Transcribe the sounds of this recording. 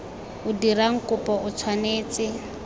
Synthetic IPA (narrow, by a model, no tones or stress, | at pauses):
ʊdiɾaŋ̩kʊpɔʊt͡sʰwaneːt͡sɪ